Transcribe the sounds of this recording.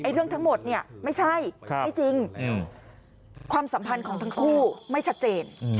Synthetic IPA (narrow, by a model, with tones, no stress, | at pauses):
ʔa˧jɾɯ˥˩əŋt̪ʰa˦˥ŋmo˨˩t̪̚ni˥˩ɐma˥˩jt͡ɕʰa˥˩jjt͡ɕi˧ŋ | kʰwaː˧msa˩˦mpʰa˧nkʰɔː˩˦ŋt̪ʰa˥ŋkʰuː˥˩ma˥˩jt͡ɕʰa˦˥t̪̚t͡ɕeː˧n